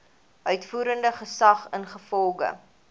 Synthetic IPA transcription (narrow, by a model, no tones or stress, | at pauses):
œɥtfuːɾəndəχəsɐχənχəfɔlˠɡə̰